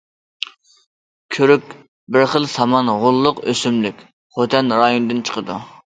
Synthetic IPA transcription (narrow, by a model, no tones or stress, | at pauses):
kʲʰøɾykʲ | bɪɾχəlˠsɑmɑnʁʊlˠːʊqøsymlykʲ | χot̪ʰɛnɾɑjonɨd̪ɨnt͡ʃʰə̥qʰəd̪ṵ